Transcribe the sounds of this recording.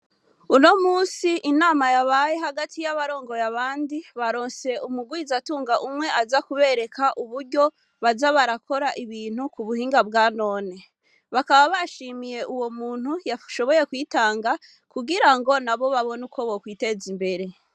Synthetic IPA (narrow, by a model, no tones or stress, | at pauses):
uno̞muːsiʔinaːmajaβajeɦaɡatʰijaβaɾo̞ːŋɡo̞jaβaːndiβaɾo̞ːnse̞umuɡwizatuːŋɡaʔumŋe̞azakuβe̞ɾe̞kaʔuβuɾɟo̞ | βazaβaɾako̞ɾaʔiβiːn̥hukuβuhiːŋɡabɡaːno̞ːne | βakaβaβaʃimije̞ʔuwo̞muːn̥hujaʃo̞βo̞je̞kwiːtaːŋɡa | kuɡiɾaŋɡo̞naβo̞βaβo̞nuko̞βokwiːte̞zimbe̞ɾe̞